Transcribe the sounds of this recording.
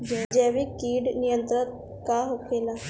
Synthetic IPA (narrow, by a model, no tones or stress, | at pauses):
d͡ʒad͡ʒɛːʋiːkiːɖnɪjə̃nt̪ɾət̪̚ | kaːɦokʰːeːlaː